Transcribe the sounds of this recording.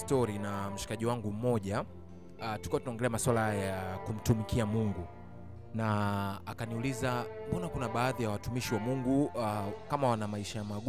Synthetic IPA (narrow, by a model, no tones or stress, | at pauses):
stɔɾinam̩ʃi̥kaʄiwaŋɡum̩mɔʄa | tuikuwatunaɔŋɡɛlɛamaswalahajjakum̩tumikiamuŋɡu | naːkaniulizaɓɔnakunaɓaːðijawatumiʃiwamuŋɡuakamawanamaiʃajamaɠ